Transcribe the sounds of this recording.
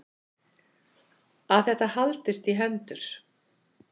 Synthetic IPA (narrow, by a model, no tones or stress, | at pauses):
aθɛht̪ahalt̪ɪst̪iɦɛnt̪ʏɾ̥